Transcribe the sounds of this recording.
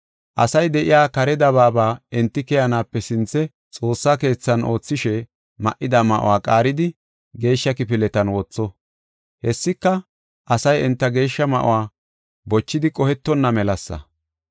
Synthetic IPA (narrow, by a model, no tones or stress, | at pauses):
ʔɐsɐjd̪ɛʔɪ̰jaːkɐɾɛd̪ɐβaːbaːɛnt̪ːɪkɛjɐnaːpːɛsɪnt͡sːɛ | t͡sʼo̞ːsːaːke̞ːt͡sːɐno̞ːt͡sːɪʃɛ | mɐ̰ʔːɪd̪ɐmɐʔɔ̰waːkʼaːɾɪd̪ɪ | ɡe̞ːʃːɐkɪpɪlɛt̪ɐnwɔt͡sːɔ | hɛsːɪkːɐ | ʔɐsɐjɛnt̪ːɐɡe̞ːʃːɐmɐ̰ʔɔ̰waː | bɔt͡ʃːɪd̪ɪkʼɔhɛt̪ːɔnːɐmɛlɐsːɐ̰